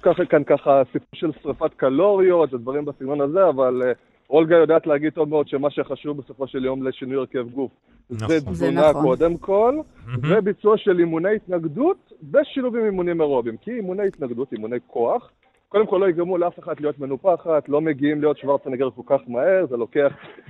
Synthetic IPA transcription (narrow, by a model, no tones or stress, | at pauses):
kaχkankaχasipuʁʃe̞lsʁafat̪kalo̞ʁio̞t̪ved̪vaʁimbasiɡnonaze̞aval | o̞lɡajo̞d̪aːt̪leaɡid̚to̞vmeo̞d̪ʃe̞maʃeχaʃuvbeso̞fo̞ʃe̞ljo̞mleʃinujeʁke̞vɡuf | zezvunako̞d̪e̞mkʰo̞lvebit͡suaʃe̞limunejit̪naɡdutbe̞ʃiluvimimunimeʁobimkiːmune̞jit̪naɡd̪utimune̞jkʰo̞aχ | ko̞demko̞lːoikamuleafe̞χad̪lijo̞t̪me̞nupaχatlo̞me̞ɡiimlijo̞t̪ʃvaʁt͡saneɡeʁko̞lkaχmahe̞ʁze̞lo̞ke̞aχ